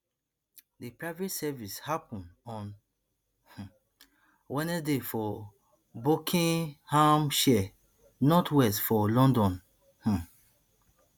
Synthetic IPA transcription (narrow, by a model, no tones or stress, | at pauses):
depɹaɪvetsɛvishapɔ̃nɔ̃n | h̩ | wɛ̃nɛdefɔ | bokʰĩnhãmʃɛ | nɔtʰwɛstfɔlɔ̃ndɔ̃n | h̩